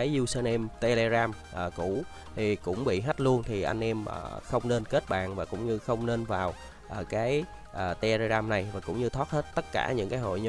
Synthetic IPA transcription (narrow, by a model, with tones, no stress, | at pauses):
aː˨˦jzu˧səː˧nʔɛ˧mt̪e˧le˧zaː˧m | ʔəː˨˩ku˧˩ | t̪ʰi˨˩kʊ̰˧˥ŋ͡mɓḭ˧˨ɦa˦˥t̚lu˧ənt̪ʰi˨˩ʔa̰˧jŋ̟ʔɛ˧mʔə̰ː˨˩xə˧wŋ͡mne˧nke˦˥t̚ɓa̰ː˨˩nvaː˨˩kʊ̰˧˥ŋ͡mɲɨ˧xə˧wŋ͡mne˧nvaː˨˩w | ʔəː˨˩kaː˨˦j | ʔəː˨˩t̪e˧le˧zaː˧mna˨˩jvaː˨˩kʊ̰˧˥wŋ͡mɲɨ˧t̪ʰwa˦˥t̚he˦˥t̚t̪ə˦˥t̚kaː˧˩ɲɨ̰˧˥ŋkaː˨˦jɦo̰˧˨jɲ˧